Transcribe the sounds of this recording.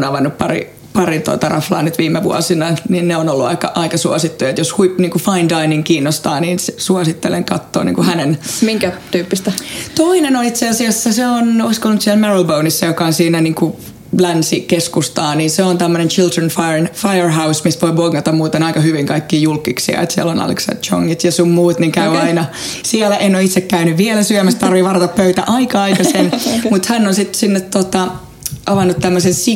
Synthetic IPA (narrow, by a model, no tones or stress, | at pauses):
nɑʋɑnːuppɑrḭ | pɑrit̪o̰it̪ɑrɑflɑ̰ːnyt̪ʋiːmːˑeʋṵɑ̰sinɑninneonolːuɑ̰ikɑʔɑikɑsuɑsit̪ːujɑet̪joshuipniːŋkufɑindɑiniŋkiːnːost̪ɑːniːnsesuɑsit̪ːelḛŋkɑt̪ːo̰ːnḭːŋkuhænenmiŋkæt̪yːpːist̪æt̪oinenonit̪seɑsiɑsːæseonoiskolnut̪siælmerolbounisːɑjokɑonsiːnæniːŋku | lænsikeskust̪ɑːniːnseont̪æmːønent͡ʃild̪renfɑnfɑjərɦɑusmisʋoiboɡːɑt̪ɑmmuːt̪enɑikɑhyʋiŋkɑikːiːjulkːiksiɑ̰ḛt̪siæ̰lonɑ̰lḛksɑ̰d̪t͡ʃo̰ŋːit̪jɑsummuːt̪niŋkæyɑinɑsiɛlæʔenːoit̪sekkæynyʋʋielæsyømæst̪t̪ɑrʋiʋɑrɑt̪ɑppøyt̪æ̰ʔɑikɑɑikɑsenmut̪hænːonsit̪sinːet̪tot̪ɑ | ɑʋɑnːut̪t̪æmːøsensi